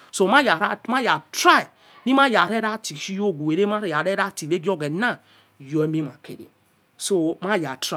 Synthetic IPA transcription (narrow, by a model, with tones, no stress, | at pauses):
so˦˨ma˦ja˨ɾa˦ma˦ja˨tɾa˦i˨ | ni˦ma˦˨ja˨ɾe˦ɾa˦ti˨ʃi˦jo˦˨ɡu˨e˨ɾe˦ma˦ɾe˨ja˨ɾe˦ɾa˦ti˨be˦ɡo˦ɡe˨na˦˨ | jo˨e˦mi˦ma˨kḛ˨ɾḛ˨ | so˦ma˦˨ja˨tɾa˦˨